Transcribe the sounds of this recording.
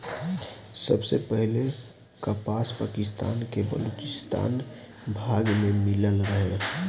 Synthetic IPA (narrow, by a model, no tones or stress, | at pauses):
səbsepəɦle | kəpaːspaːkɪst̪a̰ːnkebə̰loːt͡ʃɪst̪ʰa̰ːn | bʱaːɡmẽmɪləlɾəɦe